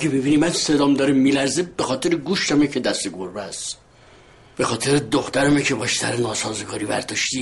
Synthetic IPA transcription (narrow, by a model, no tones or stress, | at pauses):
æɡebibiːnimænsed̪ɒːmd̪ɒːɾemːilæɾzeb̥exɒːt̪ʰeɾeɡuːʃt̪æmecʰed̪æst̪eɡoɾbæs | b̥e̞xɒːt̪ʰeɾed̪oxt̪æɾæmecʰebɒːʃsæ̰ɾenɒːsɒːzeɡɒːɾiːbæ̰ɾd̪ɒʃt̪i